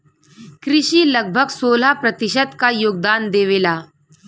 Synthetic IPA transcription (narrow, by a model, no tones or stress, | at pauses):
kɾɪʃiːləɡ̚bʱəɡsoːl̤apɾət̪iʃəd̪kajoːɡ̚d̪aːnd̪eːʋelaː